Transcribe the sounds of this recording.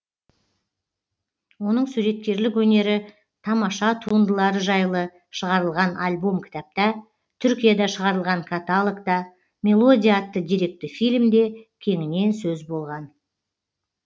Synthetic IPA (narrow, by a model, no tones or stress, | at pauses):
wo̞nəɴsuɾe̞t̪̚kʲe̞ɾlɪkwɵne̞ɾɪ | t̪ʰɑmɑʃɑt̪ʰuənd̪əlˠɑɾəʒɑjlˠə | ʃəʁɑɾəlˠʁɑnalʲbo̞mkʲʰɪ̥t̪ɑp̚t̪ɑ | t̪ʰʏɾkʲijad̪ɑʃəʁɑɾəlˠʁɑŋkʰat̪alˠokt̪ɑ | mʲe̞lˠo̞d̪ʲiat̪ːəd̪ʲijɾe̞k̚t̪ɪfijlʲmd̪e̞kʲʰe̞ŋɪne̞nsɵzbo̞lˠʁɑn